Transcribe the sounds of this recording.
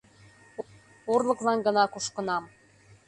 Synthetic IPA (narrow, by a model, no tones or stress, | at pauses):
orlˠɤ̆klɑnɡɤ̆nɑkuʃkə̆nɑm